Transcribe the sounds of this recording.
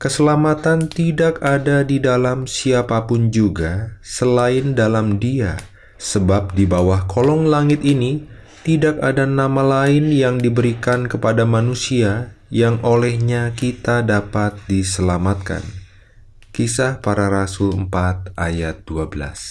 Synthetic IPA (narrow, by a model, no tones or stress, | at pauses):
kəsəlamat̪ant̪idakadadidalamsiapapʊnd͡ʒuɡasəlaɪndalamdia | səbap̚dibawahkʰolɔŋlaŋɪt̪ini | t̪idakadanamalaɪnjaŋdibəɾikankəpadamanusiajaŋʔolɛhɲakit̪adapat̪̚disəlamat̪̚ka̰n | kisahpaɾaɾasʊləmpat̪̚ʔa̰jat̪̚d̥uabəla̰s